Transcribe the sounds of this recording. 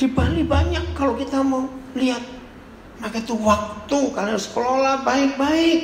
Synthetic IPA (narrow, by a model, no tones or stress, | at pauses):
d̥ibalibaɲakːalokit̪amawliat̪̚ | makait̪uwak̚t̪ukarnaɾʊskəlolabaɪk̚baɪk̚